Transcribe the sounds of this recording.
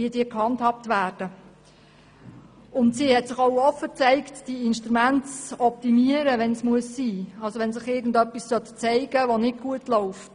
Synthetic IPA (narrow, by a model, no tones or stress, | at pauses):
iːdiːəkhɑnthɑp̚tʋæːɾd̥ə | ʊntsiːhɛtsɪχoʊɔfːət͡sɛɪktd̥iinʃtɾumæntt͡sɔp̚timiəɾəʋɛnsmuəsːiːɑlsoʋɛnsɪχɪɡn̩dœpːissœtt͡sɛɪɡəʋonɪd̚ɡ̥uətlɔʊf